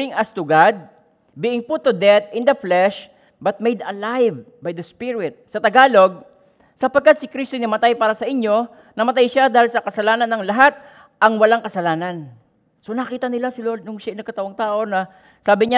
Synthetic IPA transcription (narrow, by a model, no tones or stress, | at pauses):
ɾɪŋɐst̪ʊɡad̪̚ | bɪʔɪŋpʊt̪ːʊd̪ɛt̪̚ɪnd̪ɐflɛʃ | bɐt̪̚mejd̪ɐlajv | bajd̪ɐspɪɹɪt̪̚sɐt̪ɐɡaːlo̞ɡ̚ | sɐpɐɡ̚kːat̪̚sɪkɾist̪onɐmɐt̪ajpaːɾɐsɐʔɪɲːo̞ | nɐmɐt̪ajʃad̪aːhɪlsɐkɐsɐlaːnɐnːɐŋlɐɦat̪̚ | ʔɐŋwɐlaŋkɐsɐlaːnɐn | so̞nɐkiːt̪ɐnɪlasɪlolnʊŋʃaɪnɐɡkːɐt̪ɐwaŋt̪aːʔo̞nɐ | saːbɪɲa